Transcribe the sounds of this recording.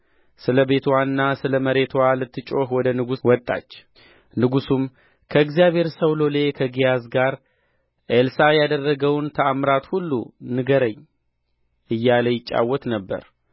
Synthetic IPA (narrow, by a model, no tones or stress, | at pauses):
sɨləbe̞t̪ʰwanːasɨləməɾe̞t̪ʰwalɨt̪ʰːɨt͡ʃʼo̞hwɔd̪ənɨɡuwɔt̪ʼːa̰t͡ʃː | nɨɡusum | kʰəɨɡzijaβhe̞ɾsəwlo̞le̞kʰəɡijazɡaɾ | ʔelsajad̪ərːəɡəwnt̪ʰəamɾat̪hulːṵnɨɡəɾəɲː | ʔɨjːaləjɪt͡ʃʼːa̰wːɔt̪nəbːə̰ɾ